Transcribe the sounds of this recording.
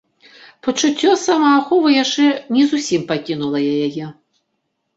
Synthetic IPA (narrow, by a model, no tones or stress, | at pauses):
pɐt͡ʂut͡sʲːɔsamɐːxɔvɐjaʂt͡ʂɛnʲɛzusʲimpakʲinulˠɐjajajɛ